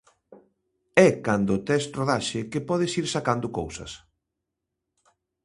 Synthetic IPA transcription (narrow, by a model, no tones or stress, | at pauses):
ɛkand̪ʊt̪ɛst̪roðaʃɪkepɔðɪsiɾsakand̪ʊkowsɐ̰s